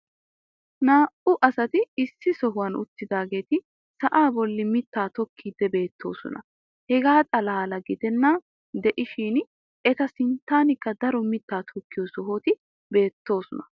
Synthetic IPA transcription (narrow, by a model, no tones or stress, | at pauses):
naːʔʊʔɐsɐt̪ɪɪsːɪsɔɦʊwɐnʊ̰t̪ːɪd̪aːɡe̞ːt̪ɪ | sɐʔaːbɔlːɪmɪt̪ːaːt̪ɔkʰːiːd̪ːɛbe̞ːt̪ʰːo̞ːsɔ̰nɐ̰ | hɛɡaːt̪ʼɐlaːlɐɡɪd̪ɛnːa | d̪ɛʔɪʃiːn | ɛt̪ɐsɪnt̪ːaːnɪkːɐd̪ɐɾɔmɪt̪ːaːt̪ʰɔkːɪjɔsɔɦoːt̪ɪ | be̞ːt̪ːo̞ːsɔnɐ